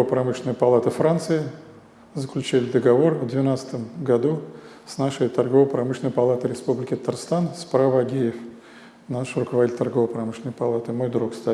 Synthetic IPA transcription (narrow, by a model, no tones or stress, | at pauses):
ovəpɾɐmɨʂʲɪnəjəpɐlˠat̪əfɾant̪sɨɪ | zəklʲʉt͡ɕilʲɪd̪əɡɐvo̞rvd̪vʲɪnat̪sə̥t̪əmɡɐd̪u | snaʂəjt̪ɐrɡo̞vəpɾɐmɨʂlʲɪnəjəpɐlˠat̪ɨɾʲɪspublʲɪkʲɪt̪ət̪arst̪anspɾavəɐɡʲijɪf | naʂrʊkəvɐdʲitʲlʲt̪ɐrɡo̞vəpɾɐmɨʂlʲɪnəjpɐlˠat̪ɨmo̞jd̪ɾukst̪a